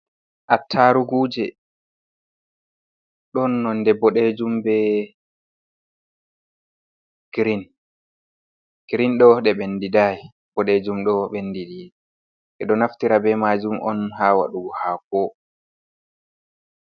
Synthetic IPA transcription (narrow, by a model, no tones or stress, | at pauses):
ʔatʰːaɾuɡuːd͡ʒɛ | ɗɔnːɔndɛbɔɗed͡ʒumbɛ | ɡ̥ɾin | ɡ̥ɾinɗɔɗɛɓendidaj | b̥ɔɗed͡ʒumɗɔɓenːdididɛ | ʔɛɗɔnaftiɾabɛmad͡ʒumʔɔ̰nɦaːwa̰ɗuɡɔhaːkɔ